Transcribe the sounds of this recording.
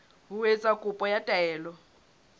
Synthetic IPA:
ɦuwet͡sʼakʼupʼɔjatʼɛːlɔ

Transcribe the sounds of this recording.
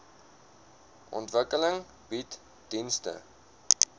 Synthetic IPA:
ʔɔ̰ntvəkələŋ | bit | d̥instə̰

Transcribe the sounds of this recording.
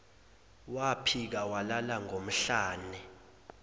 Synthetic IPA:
wapʰik̬awalalaŋom̩ɬaːnɛ

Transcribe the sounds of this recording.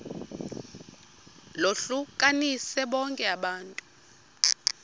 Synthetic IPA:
loɬukʼanisɛɓɔŋkʼɛaɓaːntʼu

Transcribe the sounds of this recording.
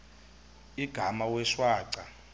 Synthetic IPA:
iɡ̥ʱamawɛʂwaːǀa

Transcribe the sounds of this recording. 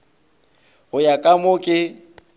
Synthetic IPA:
ɣʊjakʼamʊkʼɪ

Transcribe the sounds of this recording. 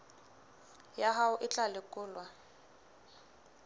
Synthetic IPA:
jaɦaʊʔɪt͡ɬʼalɪkʼʊːlwa

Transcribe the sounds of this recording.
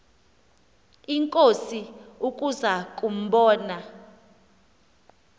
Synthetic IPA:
iŋkʼosiukʼuzakʼum̩ɓɔːna

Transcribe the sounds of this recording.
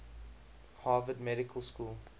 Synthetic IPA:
hɑːvədmɛɾɪkʰəlˠskuːlˠ

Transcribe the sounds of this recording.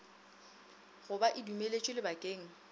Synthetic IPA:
ɣʊbaʔɪdumelet͡ʃʼɪlɪbakʼeːŋ̩

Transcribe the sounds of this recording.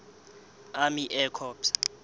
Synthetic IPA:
amiʔɛkʰɔːpsḁ

